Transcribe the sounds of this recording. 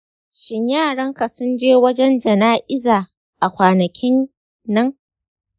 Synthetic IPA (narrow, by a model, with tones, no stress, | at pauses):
ʃɪ˦ɲjaː˦˨ɽɐ˦ŋka˨sʊ˦nd͡ʒeː˦wɐ˦d͡ʒɛ˦nd͡ʒɐ˨naː˦ʔɪ˦zaː˨ | ʔa˨kʷaː˨nɐ˨kʲʰɪ˦nː | ɐ˦ŋ